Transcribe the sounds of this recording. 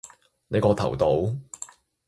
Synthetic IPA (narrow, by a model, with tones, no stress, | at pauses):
ne˨˧jkɔː˧t̪ʰɐ̰˨˩wt̪o˨˥w